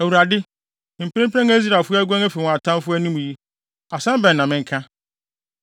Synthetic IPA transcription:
æ˨wu˨ɾa˨dɪ˦ | m̩˨pʰɪ˦ɪ̃˦pʰɛ̃˦ŋæ˦zi˦ɾa˨fʊ˦æ˦ɡu˦ã˦ŋæ˦fi˨wɔ̃˨a˨tʰã˦m˦fʊ˦æ˦nĩ˦mũ˨ji˦ | a˨sã˦bɛ̃˨n˨nã˨mɪ̃˦ŋ˦kʰã˦

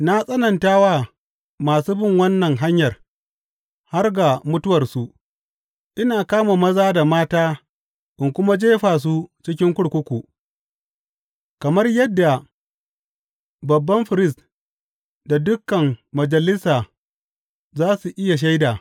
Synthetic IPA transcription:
na˦sʼɐ˦nɐ˨ntaː˦waː˦ | maː˨suː˦bɪ˦ŋwɐ˦nːɐ˨ŋɦa˦ɲjɐ˨r | ha˦rɡa˨mʊ˦tʊ˦wɐ˨rsu˨ | ʔɪ˦naː˨kaː˦ma˨mɐ˦zaː˦da˨maː˦taː˦ | ʔɪ˨ŋkʷʊ˦ma˦d͡ʒeː˦ɸaː˨s̬u˦t͡ʃɪ˦kʲɪ˦ŋkʷʊ˦ɽkʷʊ˦kʷu˨ | kɐ˨mɐ˦rjɐ˦dːa˨ | bɐ˨bːɐ˦mɸɪ˨ɾɪ˦˨s | da˨dʊ˦kːɐ˨mːɐ˨d͡ʒɐ˨lɪ˦saː˨ | zaː˦su˨ʔɪ˦ja˨ʃ̬a˦jdaː˨

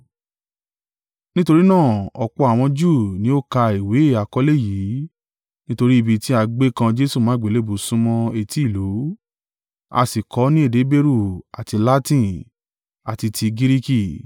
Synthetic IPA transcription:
nĩ˦to˧ɾi˦nãː˦˨ɔ˨k͡pɔ˧a˨w̃ɔ̃˧d͡ʒu˦˨nĩ˨˦o˦ka˧i˨we˨˦e˦˨a˨kɔ˨˧˦le˦˨jiː˨˦ | nĩ˦to˧ɾi˦i˧˨bi˧ti˦a˧ɡ͡be˦kã˧d͡ʒe˦su˦˨mã˨˦ɡ͡be˨le˨˦bu˨sũ˦mɔ̃˧e˨ti˨˦˨lo˨˦ | a̰˧si˨kɔ˨˦nĩ˦e˦˨de˨˦be˦ɾu˦˨a˨ti˧la˦tĩ˦ | a˨ti˧tʰi˧ɡi˦ɾi˦ki˦˨

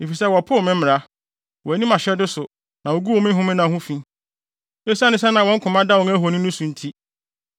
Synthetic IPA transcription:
e˨fi˨sɛ˦wɔ˨pʰʊ˦ɔ˨mɪ̃˦m̩˦mɪ̃˨ɾa˦ | wɔ˨æ˨nĩ˦mã˨ɕɛ˦dʊ˦sʊ˨ | nã˨wo˨ɡu˦wɔ˨mɪ̃˦ɦʊ̃˦mɪ̃˦nã˨ɦʊ̃˦fĩ˦ | e˦sa˦nɪ̃˦s̬ɛ˦nã˨wɔ̃˦ŋ̩˦kʰʊ̃˨mã˦da˦wɔ̃˨ŋæ˦ɦo˨nʊ̃˦nʊ̃˦sũ˨n̩˦tʰi˦

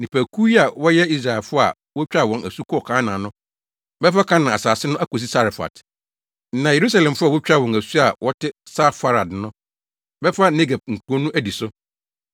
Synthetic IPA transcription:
nĩ˨pʰæ˨kʰu˦ji˦a˨wɔ˦jɛ˦i˦s̬ɾa˨lfʊ˦a̰˨ | wɔ˦t͡ɕᶣa˦wɔ̃˨næ˨su˦kʰɔ˦˨kʰãː˦nã˨nʊ̃˦ | bɛ˦fa˦kʰã˦nã˨a˨saː˨sɪ˦nʊ̃˦ʔæ˦ko˨s̬i˦sa˦ɾɪ˨fa̰˨t̩˦ | nã˨je˨ɾu˦sa˦lɛ̃˨m˨fʊ˦a˨wʊ˦t͡ɕᶣa˦˨wɔ̃˨næ˨su˦a˨wʔɔ˦tʰɪ˦sa˦fa˨ɾa˨dnʊ̃˦ | bɛ˦fa˦ne˦ɡa˨b̚ŋ̩˨ku˨o˦nũ˦ʔæ˦di˨sʊ˦

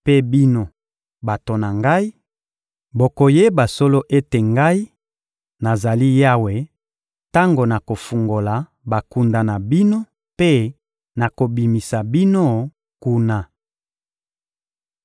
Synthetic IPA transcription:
pe˦bi˦no˦ | ba˨to˨na˨ŋɡa˦i˦ | bo˨ko˨je˦ba˨so˦lo˦ʔe˦te˨ŋɡa˦i˦ | na˨za˨li˦ja˦we˨ | ta˦ŋɡo˨na˨ko˨fu˨ŋɡo˨la˨ | ba˨ku˨nda˨na˨bi˦no˦ | pe˦ | na˨ko˨bi˨mi˨sa˨bi˦no˦ | ku˦na˨

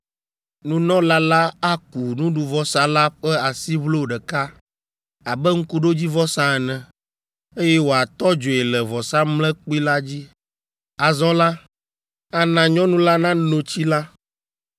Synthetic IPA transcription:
nũ˦nɔ̃˦la˦la˦a˦ku˨nũ˦ɖu˨vɔ˦sa˨la˦ɸɛ˦a˨si˦βlo˦˨ɖɛ˨ka˦ | a˨bɛ˦ŋ̩˦ku˦ɖo˦d͡ʑi˦vɔ˦sã˦˨ɛ˨nɛ̃˨ | e˦jɛ˦wo˨a˨t̪ɔ˦d͡ʒo˨e˨lɛ˨vɔ˨sa˦mlɛ̃˦k͡pi˦la˦d͡ʑi˦ | a˨zɔ̃˦la˦ | a˦nã˨ɲɔ̃˦nũ˦la˦nã˦no˨t͡ɕi˦la˦

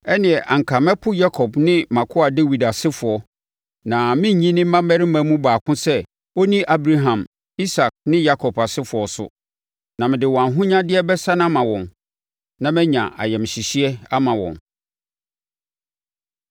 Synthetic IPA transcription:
ɛ˦nɪ̃˨ɛ˨ʔã˨ŋ̩˨kʰa˨mɛ˦pʰʊ˦ja˦kʰɔ˨bnɪ̃˦mã˨kʰʊ˦a˨de˦wi˨da˨sɪ˦fʊ˨ɔ˦ | nã˨mɪ̃˦ɲ˨ɲĩ˦nɪ̃˦ã˦mɛ˦ɾɪ˦mã˦mũ˦baː˨kʰʊ̃˦sɛ˦ | o˦nĩ˦ʔa˦bɾa˦ɦã˨m | i˦sa˨k̚nɪ̃˦ja˦kʰɔ˨ba˨sɪ˦fʊ˨ɔ˨sʊ̰˦ | nã˨mɪ̃˨dɪ˨wɔ˨ã˨ɦʊ̃˦ɲã˦dɪ˦ɛ˦bɛ˦sa˦nã˦mã˨wɔ̃˨n | nã˨mɛ̃˦ɲã̰˨ʔa̰˨jɛ˨m˨ɕi˨ɕi˦ɛ˦a˦mã˨wɔ̰̃˨n

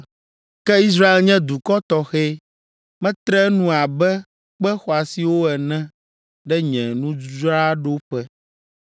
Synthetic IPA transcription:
kɛ˦i˦s̬ɾa˦e˦lɲɛ̃˦d̪u˨kɔ˦t̪ɔ˦xɛ˦ | mɛ̃˦t̪ɾɛ˦nũ˦a˨bɛ˦ | k͡pɛ˦xɔ˨a˨si˨˦wo˦ɛ˨nɛ̃˦ | ɖɛ˦ɲɛ̃˨nũ˦ɾa˦ɖo˦ɸɛ˦

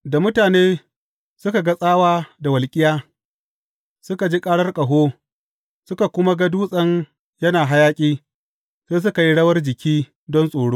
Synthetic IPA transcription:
da˨mʊ˦taː˨neː˦ | sʊ˦ka˨ɡɐ˦sʼaː˦waː˦da˨wɐ˨lkʲʼɪ˦jaː˦ | sʊ˦ka˨d͡ʒi˦kʼaː˦ɽɐ˦rkʼɐ˨ɦoː˦ | sʊ˦ka˨kʷʊ˦ma˦ɡɐ˦duː˦sʼɐ˦ŋ | jɐ˦naː˨ɦa˦jaː˦kʲʼiː˦ | seː˦s̬ʊ˦ka˨ji˦ɽɐ˦wɐ˦rd͡ʒɪ˨kʲiː˦ | dɔ˦nsʼoː˨ɽoː˦

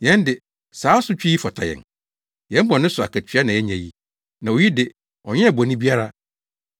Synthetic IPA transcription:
jɛ̃˨˦ndɪ˨ | saː˨˦sʊ˦t͡ɕᶣi˦i˦fɔ˨tʰa̰˨jɛ̰̃˨n | jɛ̃˦m˦bɔ̃˨nɪ̃˦sʊ˨a˨kʰæ˨t͡ɕʰᶣɥa˦nã˨jɛ˦ɲã˨ji˦ | nã˨o˨ji˦dɪ˨ | ɔ˨ɲɪ̃˦ɛ˨bɔ˨nĩ˦bi˦a˦ɾa˦

